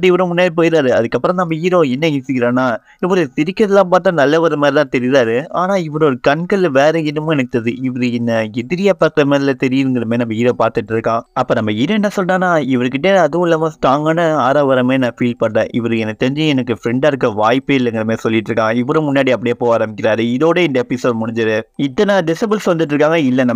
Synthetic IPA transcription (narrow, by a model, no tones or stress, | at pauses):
ɽiɪʋɐɾõmʊnːaːɽip̬oːjɪɾaːɾɯɐðɯkːɐpːɯɾɐ̃nɐmːɐiːɾoːɛnːɐɪsɪkːɪɾãːnːaː | ɪʋɐɾɯsɪɾɪkːɐðɐlːaːpaːɾt̪ːãːnɐlːɐʋɐɾɐmaːɾit̪ãːt̪ɛɾɪɾaːɾɯaːnaːɪʋɐɾoɾɯkɐnkɐɭʋeːɾɐɪnːɐmʊ̃ɛnɯk̚t̪ːɐðɯɪʋɐɾɯɪnːɐɪðɪɾɪjapːɐkɾɐmeːðɪlɐt̪ɛɾɪjɪɾɯŋɡɐɾɐmeːnɐmːɐiːɾoːpaːɾt̪ɯʈːɪɾɯkːãːɐpːoːnɐmːɐiːɾɛnːɐsɔlrãːnːaːɪʋɐɾɯkːɪʈ̬ːeɐðɯʋlːɐmaːsʈ̪aːŋɡɐnɐaːɾaːʋɐɾɐmeːnãːfiːlpɐɳːḛ̃ːʔɪʋɐɾɯɛnɐt̪ːɛɾɪɲd͡ʒɯɛnɐkːɯfɾɛɳɖaːɾɯk̬ːɐʋaːjpːɯɪlːɐŋɡɐɽɐmeːsɔlːɪʈːɾɯkːãːŋɡɐɪʋːɐɾõmʊnːaːɽiɐpːɐɽɪjɐpːoːaːɾɐmbɪk̬ʲːɪɾaːɾɯɪðoːɽɐɪnd̪ɐpɪsoːɖmʊɽɪɲd͡ʒɐɾɯɪt̪ːɐnaːɖɪsɐbɪlsʋɐnd̪ɪʈ̬ːɾɯkːaːŋɡɐɪlːɐnɐm